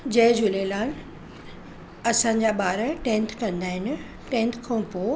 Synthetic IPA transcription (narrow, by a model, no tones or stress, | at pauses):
d͡ʑɐɦɪ̃d͡ʑʊlelaːn | ɐsãɲ̆d͡ʑaɓaːɾəʈẽːnt̪ʰkɐ̃nd̪aːɦɪnɪ̆ | ʈẽnt̪ʰkʰɐũpoː